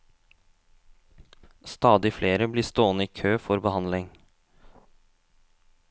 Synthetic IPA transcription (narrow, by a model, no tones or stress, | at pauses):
st̪ɑːd̪ɪfleːɾəbliːst̪oːnəiːkʰøːfɔɾbəhɑnlɪŋ